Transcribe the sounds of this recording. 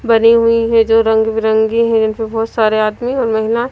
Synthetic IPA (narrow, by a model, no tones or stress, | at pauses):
bɐniɦuiɦɛ̃d͡ʒoːɾɐ̃ŋɡbiɾɐ̃ŋɡiɦɛ̃d͡ʒɪnpebɔːt̪saːɾeaːd̪miɔːɾmɐɦɪla